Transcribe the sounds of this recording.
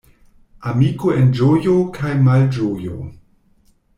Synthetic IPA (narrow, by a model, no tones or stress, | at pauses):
amikoend͡ʒojokʰajmald͡ʒojo̰